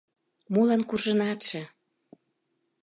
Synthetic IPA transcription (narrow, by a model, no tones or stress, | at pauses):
molɑnkurʒə̆nɑtʃĕ